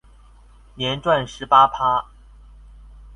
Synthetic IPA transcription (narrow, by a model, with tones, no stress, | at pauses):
njɛ˧˥nʈ͡ʂwa˥˩nʂɻ̩˧˥pa˥pʰa˥